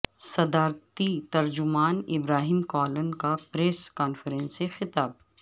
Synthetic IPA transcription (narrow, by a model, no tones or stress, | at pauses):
sɐd̪aːɾt̪it̪ɐɾd͡ʒʊmaːnɪbɾaːɦimkɔːlənkapɾeːskaːnfəɾɛ̃nsːexɪt̪aːb̚